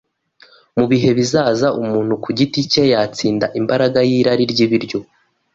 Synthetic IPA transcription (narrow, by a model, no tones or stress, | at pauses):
muβiɦe̞βizaːzaumuːn̥hukuɟitice̞jaːt͡siːndaʔimbaɾaɡajiːɾaɾiɾɟiβiɾɟo̞